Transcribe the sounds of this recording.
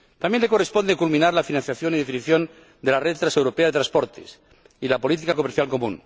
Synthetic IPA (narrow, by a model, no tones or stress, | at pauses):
t̪amjenlekorespo̞nd̪ekulmĩnaɾlafinãnθjaθjo̞niðefiniθjo̞n | d̪e̞lareðt̪ɾase̞wɾo̞peaðe̞t̪ɾaspo̞ɾt̪ḛs | ilapo̞lit̪̬ikako̞meɾθjalko̞mṵ̃n